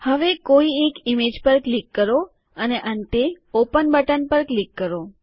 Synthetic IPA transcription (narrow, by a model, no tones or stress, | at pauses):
həʋekoiekimed͡ʒpəɾklikːəɾo | əneʔənt̪e | opənbəʈənpəɾklikːəɾo